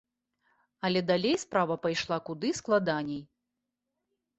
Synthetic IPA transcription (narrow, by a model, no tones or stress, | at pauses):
ɐlʲɛd̪alʲejspɾavɐpajʂlˠakud̪ɨsklˠad̪anʲɛj